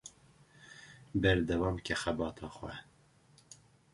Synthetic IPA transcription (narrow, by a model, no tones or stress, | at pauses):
bɛɾd̪ɛwɑːmkʰɛxɛbɑːt̪ʰɑːxwɛ̰